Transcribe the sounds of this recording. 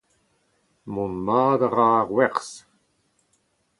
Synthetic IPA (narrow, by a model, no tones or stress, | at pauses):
mɔnmaːd̪aʁaːʁwɛʁs